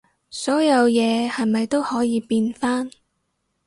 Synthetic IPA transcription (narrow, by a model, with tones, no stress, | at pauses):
sɔː˨˥jɐ˨˧wjɛː˨˧hɐ˨jmɐ˨jt̪o˥whɔː˨˥jiː˨˧piː˧nfaː˥n